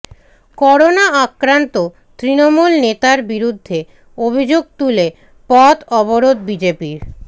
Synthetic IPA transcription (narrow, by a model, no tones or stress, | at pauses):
kɔɾonaakɾant̪o | t̪ɾinomulnet̪aɾbiɾud̪ʱːe | obʱid͡ʑoɡ̚t̪ule | pɔt̪ɔboɾod̪bid͡ʑepiɾ